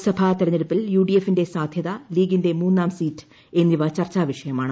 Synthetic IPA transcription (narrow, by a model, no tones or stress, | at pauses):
sɐbʱat̪ɐɾɐɲːeɽupːiljuːɖije̞fːinde̞saːd̪ʱjɐðɐliːɡinde̞muːnːaːmsiːtːɨ̥ | e̞nːiʋɐt͡ɕɐrt͡ɕːaːʋiʂɐjɐmaːɳɨ